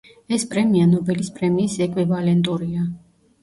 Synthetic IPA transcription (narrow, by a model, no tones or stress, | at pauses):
ɛspʼɾɛmianɔbɛlispʼɾɛmiːsɛkʼwivalɛnt̪ʼuɾia